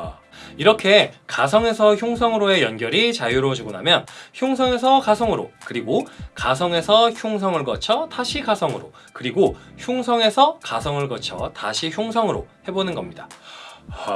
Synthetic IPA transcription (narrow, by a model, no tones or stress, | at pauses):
iɾʌkʰe̞kas̬ʰʌŋe̞sʰʌçjoŋsʰʌŋɯɾoe̞jʌnɡjʌɾit͡ɕajuɾot͡ɕuɡona̰mjʌnçjoŋsʰʌŋe̞sʰʌkasʰʌŋɯɾo̰kɯɾiɡokasʰʌŋe̞sʰʌçjuŋs̬ʰʌŋɯɭkʌt͡ɕʰʌtaɕʰiɡasʰʌŋɯɾo̰ | kɯɾiɡoçjuŋsʰʌŋe̞sʰʌkasʰʌŋɯɭk͈ʌt͡ɕʰʌ̰taɕʰiçjoŋsʰʌŋɯɾo̰he̞bonɯnɡʌmɲida